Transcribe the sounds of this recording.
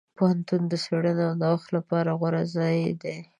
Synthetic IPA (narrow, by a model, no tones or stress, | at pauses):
pohant̪und̪əseɽəneawnawaxt̪lapɑɾaɣwaɾazɑjd̪e